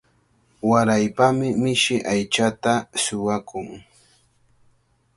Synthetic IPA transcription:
waɾajpamɪmɪʃɪʔajt͡ʃat̪asʊwakʊŋ

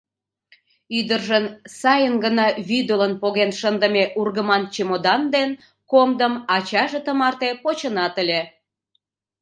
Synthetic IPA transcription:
yd̪ərʒənsɑjənɡənɑβyd̪olənpoɣenʃənd̪əmeʔurɣəmɑnt͡ɕemod̪ɑnd̪en | komd̪əmɑt͡ɕɑʒet̪əmɑrt̪epot͡ɕənɑt̪əlʲe

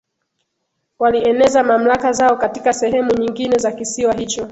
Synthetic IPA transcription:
waliɛnɛzamam̩lakazaɔkatikasɛɦɛmuɲiŋɡinɛzakisiwaɦit͡ʃɔ

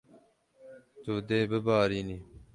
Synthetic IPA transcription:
t̪oːd̪eːbəbaːɾiːni

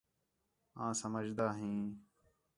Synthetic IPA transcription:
ãːsəməd͡ʒd̪aːɦĩː

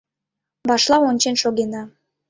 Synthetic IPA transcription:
bɑʃlˠɑonʲt͡ɕenʃoɣenɑ

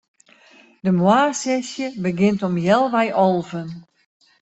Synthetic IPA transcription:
dəmwaːrsɛsjəbəɡɪntɔmjɛlˠʋɛjʔɔlˠvən

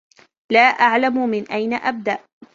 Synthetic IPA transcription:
laːʔaʕlammɪnʔajnaʔab̚d̪aʔ

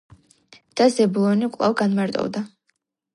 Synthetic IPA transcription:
d̪̥azɛbulˠɔnikʼlˠa̰vɡanmaɾt̪ʼɔ̰vd̪a

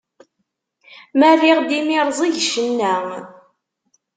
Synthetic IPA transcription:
mæriʁd̪imiɾˤzˤiʝʃənːæ

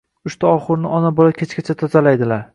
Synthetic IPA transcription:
ʊʃt̪ʰaɒχɨɾnɪʔɒnabɒlakʲʰet͡ʃkʲat͡ʃʰat̪ʰɒzalajd̪ɪlaɾ

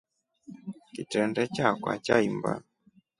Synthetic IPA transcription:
kitɛndɛt͡ʃakwa̰t͡ʃaimba̰n

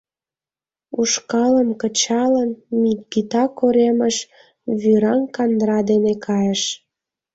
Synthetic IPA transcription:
uʃkɑləmkət͡ɕɑləmːit̪ɡit̪ɑkoɾeməʃ | βyɾɑŋkɑnd̪ɾɑd̪enekʰɑjəʃ

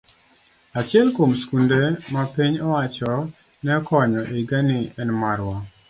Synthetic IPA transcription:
at͡ʃɪɛlkomskundemapiɲɔwat͡ʃɔ | nɛɔkɔɲɔʔeɡanɪɛnmaɾwɔ

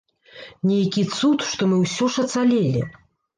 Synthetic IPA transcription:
nʲɛjkʲit̪sut̪ʂt̪ɔmɨwsʲɔʂɐt̪salʲɛlʲḭ

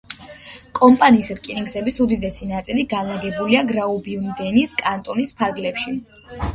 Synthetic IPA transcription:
kʼɔmpʼaniːsɾkʼiniŋɡzɛbisud̪id̪ɛsinat̪sʼiliɡalaɡɛbuliaɡɾaubiund̪ɛniskʼant̪ʼɔnispʰaɾɡlɛpʃi

